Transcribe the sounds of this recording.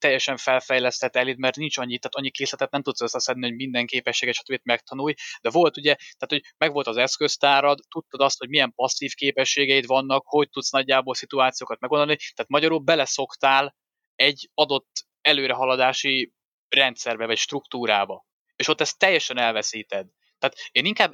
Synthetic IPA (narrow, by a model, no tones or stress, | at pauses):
t̪ɛjːɛʃɛɱfɛlfɛjlɛst̪ɛt̪ːɛlid̪mɛrt̪nint͡ʃɒɲːit̪ːaːt̪ɒɲːikeːslɛt̪ɛt̪nɛmt̪ut̪søsːɛsɛnːiho̞ɟmind̪ɛŋkeːpɛʃːeːɡɛʃɒ̥t̪øbit̪mɛkt̪ɒnuːjd̪ɛvo̞lt̪uɟɛt̪aːt̪ho̞ɟmɛɡʋo̞lt̪ɒzɛskø̞st̪aːɾɒd̪t̪ut̪ːɒd̪ɒst̪ho̞ɟmijɛmpɒsːiːfkeːpɛʃːeːɡɛjit̪vɒnːɒkho̞c̚t̪ut̪snɒɟːaːbolsit̪uaːt̪sijoːkɒt̪mɛɡo̞nd̪olnit̪aːt̪mɒɟɒɾubɛlɛso̞kt̪aːl | ɛɟːɒd̪o̞t̪ː | ɛløːɾɛɦɒlɒd̪aːʃi | rɛnt̪sɛrbɛvɒcʃt̪rukt̪uːɾaːbɒ | eːʃo̞t̪ːɛst̪ːɛjːɛʃɛnɛlvɛsiːt̪ɛd̪ | t̪aːt̪eːniŋkaːb